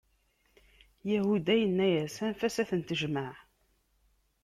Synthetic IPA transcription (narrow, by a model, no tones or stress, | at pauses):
jæhud̪æjənːæjæsænfæsæθənt̪əʒmaʕ